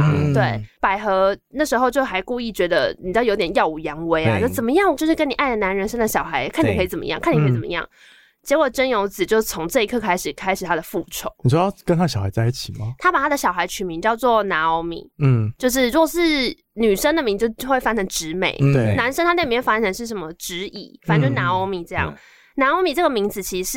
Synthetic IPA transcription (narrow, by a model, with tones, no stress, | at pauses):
t̪we˥˩ɪpa˨˩ɪxɤ˧˥na˥˩ʂɻ̩˧˥xo˥˧ʊt͡ɕjo˥˩ʊxa˧˥ɪku˥˧i˥˩t͡ɕɥɛ˧˥d̪ə̰˧ni˨˩t͡ɕjjo˧˥t̪jɛ˨˩njɑ˥˩ʊu˨˩jɑ˧˥ŋwe˧˥ɪa̰˧o˥˩t͡sə˨˩nmə˧jɑ˥˩ŋt͡ɕjo˥˧ʊʂɻ̩˥˩kə˦˥ni˨˩ʔa˥˩ɪd̪ə˩na˧˥nɻə˧˥nʂə˥ŋd̪ə˨ɕjɑ˨˩ʊxa˧˥ɪkʰni˨˩kʰi˧˩t͡sə˨˩mə̰˧jɑ˥˧ŋkʰa˥˩ni˨kʰi˨˩t͡sə̰˨˩˧jɑ̰˥˩ŋ | t͡ɕjɛ˧˥kwɔ˨˩ʈ͡ʂə˥njo˧˥ʊt͡sɹ̩˨˩t͡ɕjo˥˧ʊ˧t͡sʰo˧˦ŋʈ͡ʂɤ˥˧i˧˥kʰɤ˥˧kʰa˥ɪʂɻ̩˨˩kʰa˥ɪʂɻ̩˨˩t̪ʰa˥d̪ə˨fu˥˩ʈ͡ʂʰo˨˧˦ʊni˨˩ʂɔ˥ɑ˥˩kə˥˦nt̪ʰa˥˩ɕjxa˧˦ɪt͡sa˥˧i˥˩t͡ɕʰi˨˩mɐ˩˦t̪ʰa˥pa˨˩a˥d̪ə˨ɕjɑ˨˩ʊxa˧˥ɪt͡ɕʰy˨˩mi˧˦ŋt͡ɕjɑ˥˧ʊt͡swɔ˥˨˩na˧˥o˧˥ʊmḭ˨˩˦t͡ɕjo˥˧ʊʂ̬ɻ̩˥˩ɻu˥ɡɔ˨˩ʂɻ̩˥˩ | ny˨˩ʂə˥ŋd̪ə˨mi˧˥ŋt͡ɕjo˥˧ʊwe˥˩ɪfa˥nʰə˧˥ŋʈ͡ʂɻ̩˧˥me˨˩˦ɪwe˩na˧˥nʂə˥ŋt̪ʰa˥e˥˩mĩ˧wfa˥ʈ͡ʂʰə˧˥ŋʂɻ̩˥˩ʂə˧˥nmə˧ʈ͡ʂɻ̩˧˥ḭ˨˩fa˨˩nt͡ɕo˥ʊʂ̩˥˩na˧˥o˧˥mi˨˩ʈ͡ʂɤ˥˧jɑ̰˥˩ŋ | na˧˥o˧˥mi˨˩ʈ͡ʂə˥˩ɡə˩mi˧˥ŋd͡zɹ̩˨˩t͡ɕʰi˧˥˧ʂɻ̩˥˩